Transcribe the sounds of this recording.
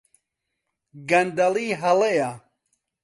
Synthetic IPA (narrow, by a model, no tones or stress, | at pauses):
ɡɐnd̪ɐliːɦɐleja